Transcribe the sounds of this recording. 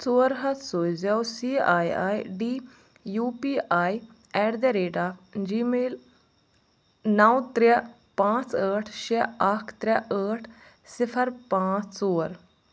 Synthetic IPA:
t͡soːɾɦət̪ʰsoːzawsiːaːia̰ːiɖiː | juːpiːʔaːi | ɛːʈd̪eːɾeːʈaːd͡ʒiːmeːl | nawt̪ɾa | pãːt͡səːʈʰʃeəkʰt̪ɾaəːʈʰ | sɪpʰəɾpãːt͡ssoːɾ

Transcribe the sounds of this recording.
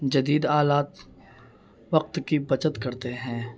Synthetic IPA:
d͡ʒɐd̪iːd̪aːlaːt̪ | ʋɐq̚t̪kibɐt͡ʃət̪kɐɾt̪eɦɛ̃ː

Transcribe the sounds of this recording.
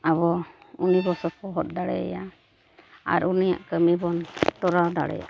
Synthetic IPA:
aβɔunibɔsɔpɔɦɔt̪̚ˀd̪aɽɛja | a̰ɾunija̰ʔkəmibɔnt̪ɔɾad̪a̰ɽɛ̰ja̰

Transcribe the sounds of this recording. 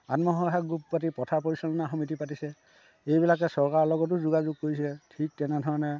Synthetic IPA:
a̰tmɔɦɔɦaɡɹup̚pat̬ipɔtʰapɔɹisɔnɔnaaxɔmitipatisɛ | ejbilakɛsɔɹkaɹlɔɡɔt̬ʊzuɡazuɡ̚kːoɹisɛɛtʰik̚tɛnɛdʱɔɹɔnɛ

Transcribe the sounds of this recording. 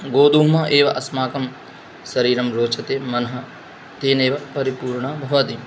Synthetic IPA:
ɡoːd̪uːɦmɐʔeːʋɐʔɐsmaːkɐm | sɐɾiːɾɐmɾoːt͡ʃʰɐt̪eːmɐnɐɦɐ̆ | t̪eːneːʋɐpɐɾipuːɾɳɐbʱɐʋɐd̪i

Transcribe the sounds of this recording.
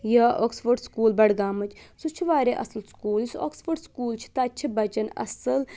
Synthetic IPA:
jɐʔo̰ːksfoɾɖskuːlbɐɽɡaːmɐt͡ʃʰsut͡ʃʰiʋaːɾeʔɐ̰sɐlskuːlso̰ːksfoɾɖskuːlt͡ʃʰi̥t̪ɐt͡ʃʰibɐt͡ʃɐnɐ̰sɐl

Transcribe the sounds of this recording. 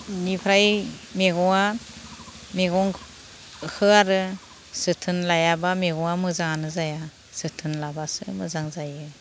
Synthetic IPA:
nipʰɾajmeɡɔŋa | meɡɔŋ | kʰɯaɾɯ | sɯtʰɯnlajabameɡɔŋamɯzaŋanɯzaja | sɯtʰɯnlabasɯmɯzaŋzajɯ

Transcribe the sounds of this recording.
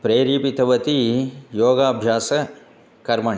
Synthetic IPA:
pɾeːɾiːpit̪ɐʋɐt̪ijoːɡaːbʱjaːsɐ | kɐɾmɐɳi

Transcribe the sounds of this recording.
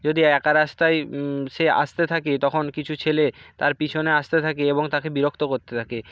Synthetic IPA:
d͡ʑod̪iɛkaɾast̪ajʃea̰st̪et̪ʰaket̪ɔkʰonkit͡ɕʰut͡ɕʰelet̪aɾpit͡ɕʰoneaʃt̪et̪ʰakeeboŋt̪akebiɾokʰt̪okoɾt̪et̪ʰake

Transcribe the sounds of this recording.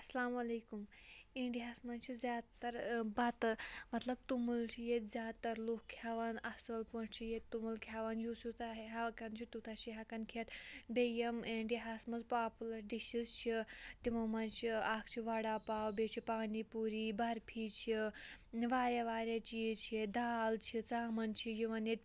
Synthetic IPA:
ɐsɐlaːmɐleːkum | iɳɖiɦaːsmɐnt͡ʃʰizʲjaːd̪t̪ɐɾbɐt̪mɐt̪lɐb̚t̪umult͡ʃʰijet̪zʲaːd̪t̪ɐɾlokkʰjaːʋanɐsɐlpɐɳt͡ʃʰijet̪ːumulkʰjaːʋanjuːsut̪ʰaɦɦakɐnt͡ʃʰit̪ut̪ʰat͡ʃʰiɦakɐnkʰet̪bejɐmeɳɖiɦasmɐzpaːpulɐɾɖiʃizt͡ʃʰit̪imumɐnt͡ʃʰiaːkʰt͡ʃʰiʋɐɽapaːwbet͡ʃʰipaːnipuɾibɐɾpʰit͡ʃʰi | ʋaːɾaʋaːɾat͡ʃijit͡ʃʰied̪aːlt͡ʃʰit͡saːmɐnt͡ʃʰijiʋɐnet̪̚

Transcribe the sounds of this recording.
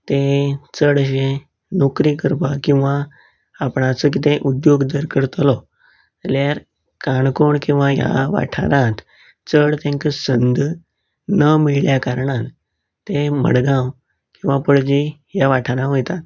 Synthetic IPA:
t̪et͡səɽəɕẽ | nokɾikəɾpakĩw̃ʋãː | pɳat͡sək̬it̪ẽʔud̪joɡd̪əɾkəɾt̪lɔ | əljaɾ | kaɳkoɳkĩw̃ʋaja̰ʋa̰ʈʰa̰ɾãt̪ | t͡səɽt̪jãŋkəsənd̪ʱ | nəmiɭljakaɾɳãn | t̪ẽmə̰ɽɡãw | kĩw̃ʋapəɽd͡ʑijaʋaʈʰaɾãɦojt̪at̪

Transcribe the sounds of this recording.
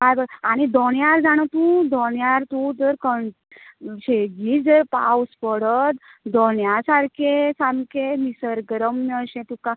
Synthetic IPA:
kajbəaɽ̃id̪ɔnjaɾd͡zaɽ̃ət̪ũd̪ɔnjaɾt̪ũd͡zəɾkəɳ | ɕeɡiːd͡zəɾpawspəɽət̪d̪ɔnjasaɾkʰesamkemisəɾɡɾəmːəɕɛ̃t̪ũka

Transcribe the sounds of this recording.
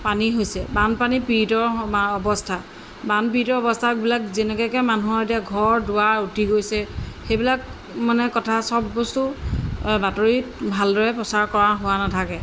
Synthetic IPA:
paniɦojsɛbanpanipitɔɹɔbɔstʰa | banpiitɔɹɔbɔstʰakbilakzɛnɛkɛkɛmanuɔɹetiaɡʱɔɹdʊwaɹutiɡojsɛxejbilak | manɛkɔtʰasɔbːɔstu | batoɹibʱaldɔɹɛpɹɔsaɹkɔɹaɦʊwanatʰakɛ

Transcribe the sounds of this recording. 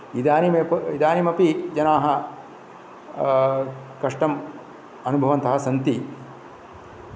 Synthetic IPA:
id̪aːnimepid̪aːnimɐpid͡ʒɐnaːɦɐ | kɐʂʈɐm | ɐnubʱɐʋɐnt̪ɐɦɐsɐnt̪i

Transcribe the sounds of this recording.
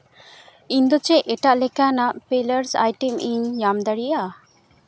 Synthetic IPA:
iɲd̪ɔt͡ʃɛʔɛʈaʔlɛkanaʔpɛləɾsa̰jʈɛmʔiɲːamd̪aɽija

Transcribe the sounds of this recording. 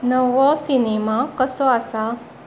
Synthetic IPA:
nəʋɔsinemakəsɔasa

